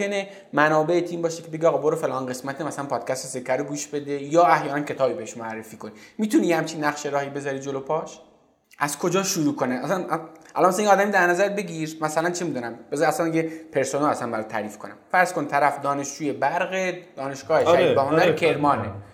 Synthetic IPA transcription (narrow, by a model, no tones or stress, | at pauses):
ene | mænɒːbe̞et̪ʰiːmbɒːʃekʰe̞be̞ɡeːɣɑːboɾɑfe̞lʔɒnɡesmæt̪ʰemæslænpʰɒːd̪̥̚cʰʲæst̪esekʰːæɾoɡuːʃb̥e̞d̪ejɒːæhjɒːnæncʰe̞t̪ʰɒːbibeheʃmoærːefiːkʰonimiːt̪ʰunijehæmt͡ʃʰinːæχʃeɾɒːhibe̞zɒɾid͡ʒolopʰɒːʃ | ʔæzkʰo̞d͡ʒɒːʃuɾuːkʰoneæsænʔæ̰lɑnmæsænjeɒːd̪æmid̪æɾnæzæɾbe̞ɡiɾmæsælænt͡ʃʰemiːd̪unæmbezæsænjepʰe̞ɾsonælæsænbæɾɛt̪t̪ʰːæ̰ɾiːfkʰonæ̰mfæɾz̥kont̪ʰæɾæfd̪ɒːne̞ʃd͡ʒuːjebæɾɣed̪̥ɒːne̞ʃɡ̥ɒːheʃæɾiibehonæɾkʰeɾmɒːne